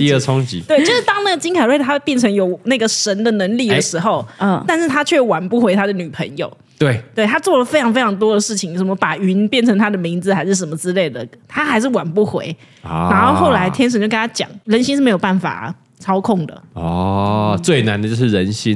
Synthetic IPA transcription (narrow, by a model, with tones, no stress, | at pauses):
t̪i˥˧ə˥˩t͡sʰʊ˦˥ŋt͡ɕḭ˨˦t̪we˥˩ɪt͡ɕo˥ʊʂɻ̩˥˩t̪ɑ˥ŋna˥˩ɡə˩t͡ɕi˥ŋkʰa˨˩ɪwe˥˩ɪt̪ʰa˥pjɛ˥˩nʈ͡ʂʰə˧˥ŋjo˨˩ʊna˥˩ɡə˨˩ʂə˧˥nd̪ə˨nə˧˥ŋli˥˩d̪ə˨˩ʂɻ̩˧˥xo˥˨ʊ˧˩t̪a˥˧nʂɻ̩˥˩t̪ʰa˥t͡ɕʰɛ˥˩wa˨˩npu˥˩xwe˧˥ɪt̪ʰa˥d̪ə˨ny˨˩pʰə˧˥ŋjo̰˨˩ʊ | t̪we˥˩ɪt̪we˥˩ɪt̪ʰa˥t͡swɔ˥˩lə˩fe˥ɪʈ͡ʂʰɑ˧˥ŋfe˥ɪʈ͡ʂʰɑ˧˥ŋt̪̬wɔ˥d̪ə˨ʂɻ̩˥˩t͡ɕʰi˨˩ŋʂə˧˩mə˧˦pa˨˩y˧˥npjɛ˥˩nʈ͡ʂʰə˧˥ŋt̪ʰa˥d̪ə˨mi˧˥nd͡zɹ̩˨xa˧˥ɪʂɻ̩˥˩ʂ̬ə˧˩nmə˧˦t͡sɻ̩˥le˥˩ɪd̪ə˩t̪ʰa˥xa˧˥ɪʂ̬ɻ̩˥˩wa˨˩npu˥˩xwḛ˧˥ɪ | na˧˥xo˥˧ʊxo˥˩ʊla˧˦ɪt̪ʰjɛ˥nʂ̬ə˨˩nt͡ɕjkə˥˩t̪ʰa˥t͡ɕjɑ̰˨˩˦ŋɻə˧˥nɕ̬i˥nʂ̩˥˩e˧˥ɪjo˨˩pa˥˩nfa̰˨˩ | t͡sʰɑ˥ʊkʰʊ˥˩ŋd̪ə̰˩ɔ˥˩t͡swe˥˩ɪna˧˦nd̪ə˧˩t͡ɕjo˥˧ʊʂɻ̩˥˩ɻə˧˦nɕi˥n